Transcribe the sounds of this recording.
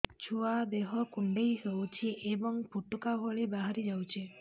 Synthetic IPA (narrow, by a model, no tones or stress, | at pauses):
t͡ʃʰuad̪eɦɔkuɳɖejsɔwt͡ʃʰiʔebɔŋpuʈːukaɦɔɭibaɦaɾid͡ʒawt͡ʃʰe